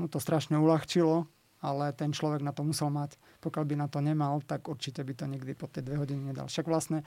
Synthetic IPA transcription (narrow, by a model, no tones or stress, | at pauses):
nut̪ɔst̪ɾaʃɲɛulaxt͡ʃilɔ | alɛt̪ɛnt͡ʃlɔʋɛɡnat̪ɔmusɛlmac | pɔkjalbinat̪ɔɲɛmalt̪aɡuɾt͡ʃicɛbit̪ɔɲiɡd̪ipɔt̪ːjɛjd̪ʋɛɦɔɟiniɲɛd̪a̰lfʃaɡʋlasɲɛ